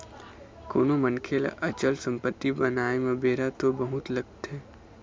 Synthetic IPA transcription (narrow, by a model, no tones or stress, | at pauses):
koːnomənkʰel̰ʔɐt͡ʃəlsə̃mpət̪ːibɐnaːemɐbeːɾat̪obɐɦʊt̪lɐɡ̚t̪ɦɛː